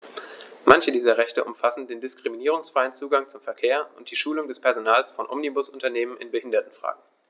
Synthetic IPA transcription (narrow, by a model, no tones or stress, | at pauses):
mançədiːzɐʁɛçtəʔʊmfasn̩deːndɪskʁ̥iminiːʁ̞ʊŋsfʁ̥aɪənt͡suːɡaŋt͡sʊmfɛɐkʰeːɐʊnt̚d̥iːʃuːlʊŋdɛspʰɛɐzonaːlsfɔnʔɔ̰mnibʊsʔʊntɐneːmənʔɪ̰nbəhɪndɐtn̩fʁ̥a̰ːɡŋ̩